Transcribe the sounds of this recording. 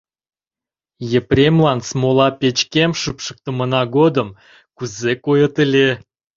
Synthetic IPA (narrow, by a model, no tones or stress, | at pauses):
jeprʲemlɑnsmolɑpʲet͡ɕkʲemʃɨpʃə̥k̚t̪ə̆mə̆nɑɡod̪əm | kuzekojət̪əlʲe